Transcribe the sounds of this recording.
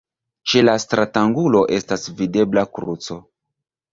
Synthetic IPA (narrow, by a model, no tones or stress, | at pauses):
t͡ʃe̞lastɾataŋɡulo̞ʔe̞stasvide̞blakɾut͡so̞